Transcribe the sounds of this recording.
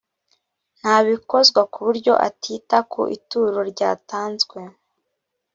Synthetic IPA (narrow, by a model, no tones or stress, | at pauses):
n̥haːβiko̞zɡwakuβuɾɟo̞̰ʔa̰tʰiːtakʰo̰ʔḭtuɾoɾɟaːtaːnzɡwe̞